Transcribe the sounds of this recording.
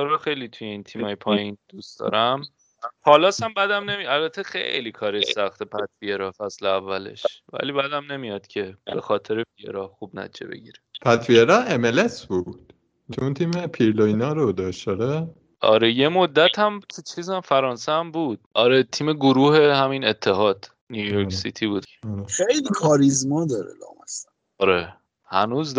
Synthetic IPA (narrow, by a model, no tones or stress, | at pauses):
t͡ʃʰeɾɒxe̞jliːt̪ʰujeiːnt̪ʰiːmhɒːjepʰɒːjind̪̥usd̪̥ɒ̰ːɾʔæm | æpʰɒːlɒːsæmbæd̪æmne̞miælbæt̪ʰexḛjliːkʰɒːɾɒjsæxt̪ʰepʰæt̪vieɾɒːfæsleævːæle̞̰ʃvæ̰liːbæːd̪æmne̞mijɒd̪̥cʰe̞be̞xɒːt̪ʰe̞ɾefiḛɾɒxubnæ̰id͡ʒḛbe̞̰ɟḭːɾe̥pʰæt̪fieɾɒːemelesbud̪̥ | kʰunt̪ʰiːmepʰiɾlojnɒːɾod̪ɒːʃt̪ɒɾe | ʔɒ̰ɾeje̞mod̪ːæt̪ʰhæmt̪ʰut͡ʃʰiːzæmfæɾɒːnseæmbuːd̪̥̚ɒːɾet̪ʰiːme̞ɡoɾuːhe̞hæmine̞t̪ʰːe̞ɦɒːd̪̥ | nijujoɾksit̪ʰibuːd̪χejlikʰɒːɾizmɒːd̪ɒːɾḛlɒ̰ːmesæ | ɒɾe | hænuːzd̪